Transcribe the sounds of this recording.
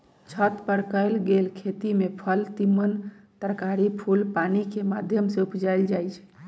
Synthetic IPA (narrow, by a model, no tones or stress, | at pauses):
t͡ʃʰət̪pəɾkəlɡelkʰet̪imepʰəlt̪imːənt̪əɾkaɾipʰulpanikemad̪ʱjəmseupd͡ʒajld͡ʒajt͡ʃʰɛ̥